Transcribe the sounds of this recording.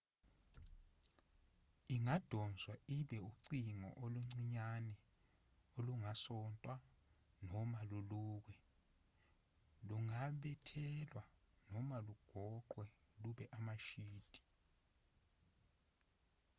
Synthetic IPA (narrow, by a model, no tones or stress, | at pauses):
iŋad̥ʱɔnd͡zʱwaiɓɛuǀiŋɔ̰ʔoluŋ͡ǀiɲanɛ | oluŋasɔntʼwa | nɔmaluluːk̬ɛ | luŋaɓɛtʰɛlwanɔmaluɡ̥ʱɔǃwɛluɓɛʔamaʃiːd̥ʱi̥